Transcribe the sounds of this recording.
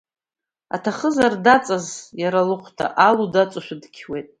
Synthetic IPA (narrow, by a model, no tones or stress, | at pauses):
a̰tʰaχəzardat͡sʼazjaɾalɨqʷʰtʰa̰ʔaludat͡sʷʼaʃʷᶣadkʲʰwejtʼ